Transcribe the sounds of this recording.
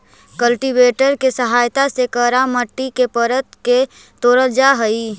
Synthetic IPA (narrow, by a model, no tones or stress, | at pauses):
kəlʈibeːʈəɾkesəɦaːjt̪asekəɾaməʈːikepəɾət̪ke | t̪oːɾəld͡ʒaɦəi